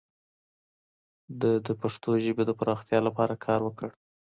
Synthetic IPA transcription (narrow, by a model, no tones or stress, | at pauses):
d̪əd̪əpaʂt̪oʒəbed̪əpɾɑxt̪jɑlapɑɾakʰɑɾwəkəɽ